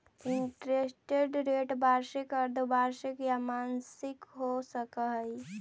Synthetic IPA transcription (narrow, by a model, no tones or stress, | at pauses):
iɳʈɾesʈeɖɾeʈbaɾsikəɾd̪obaɾsikjamansɪkɦosəkəɦəj